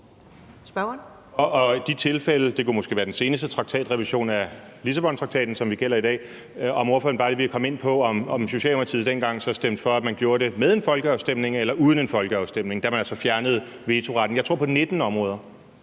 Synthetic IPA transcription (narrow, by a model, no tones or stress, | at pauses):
sb̥ | ɒɒ̽d̥it͡sʰe̝lfeləd̥e̝kumɒ̽sɡ̥e̝̰ʋæːɐdense̝ːnəsd̥ət͡sʰʁɡ̥̚t͡sʰɛ̰ːd̥ʁɛʋiɕo̝̰ːnælisæb̥ɒ̽nt͡sʰʁɑ̥̈t͡sʰɛ̰ːd̥n̩sɒ̽mʋiɡ̥el̰ɐid̥ɛ̰ː | ɒ̽moːfɒn̩bɑ̈ːd̥ɾ̥e̝ʋikʰækʰɒ̽me̝n̰pʰɒ̽ɒ̽mɒ̽mɕo̝ɕɛ̰ːlomɐt͡sʰiðˠd̥enɡ̥ɑ̈ŋ̰sɒ̽sd̥em̰d̥fɒ̽æ̥mænɡ̥jo̝ːɐɾe̝með̞ˠe̝nfɒ̽lɡ̥ə̈ʊsd̥em̰ne̝ŋelɐʔuðˠənenfɒ̽lɡ̥əɑ̈ʊsd̥em̰ne̝ŋd̥æɐmænælsɒ̽fjæɐnəð̞̩ˠ | ʋe̝ːt͡sʰo̝ʁɑ̈d̥n̩jɑ̈ɪt͡sʰʁo̝ɐ̰pʰɒ̽ned̥n̩ɒ̽mʁɔ̽ːð̞ˠɐ